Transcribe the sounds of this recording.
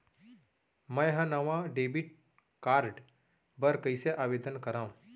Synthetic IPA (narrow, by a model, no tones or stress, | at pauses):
mə̃jɦãnəʋãɖebiʈ̚ | kaɾɖ | bəɾkəjseʔaʋed̪ənkəɾãũ